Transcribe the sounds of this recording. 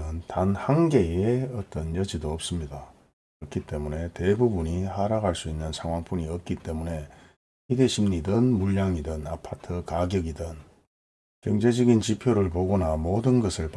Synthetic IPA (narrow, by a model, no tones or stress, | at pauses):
ɯntanhaŋɡe̞eʌt͈ʌnjʌd͡ʑidoʌp̚s͈ɯmɲida | kɯɾʌkʰit͈e̞mune̞te̞bubuɲihaɾaɡaɭs͈uinːɯnsʰaŋwaŋp͈uɲiʌp̚k͈it͈e̞mune̞ | ide̞ɕʰimɲidɯnmuʎːaŋidɯnapʰatʰɯkaɡjʌɡidɯn | kjʌŋd͡ʑe̞d͡ʑʌɡint͡ɕipʰjoɾɯɭpoɡonamodɯnɡʌsʰɯɭp